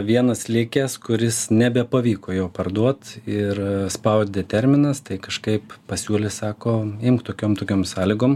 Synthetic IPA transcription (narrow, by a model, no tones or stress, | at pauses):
ʋʲiɛnɐslʲɪkʲeːskʊɾʲɪsnʲɛbʲɛpɐʋʲiːkoːjoʊpɐrd̪uɔt̪ɪrspɐʊt̪̚ʲd̪ʲɛt̪ʲɛɾʲmʲɪnɐst̪ɐɪkɐʃkɐɪppɐsʲuːlʲɪsɑːkoːɪmkt̪oːkʲoːmt̪oːkʲoːmsɑːlʲɪɡoːm